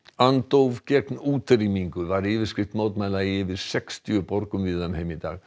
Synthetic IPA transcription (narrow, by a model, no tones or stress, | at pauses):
ant̪owvcɛknuːt̪rimiŋkʏvaɾɪːvɪɾ̥skɾɪft̪moːwt̪maːjlaiɪvɪðsɛkst̪ʰjʏpɔɾkʏmvɪðamhejmɪt̪a̰ːɣ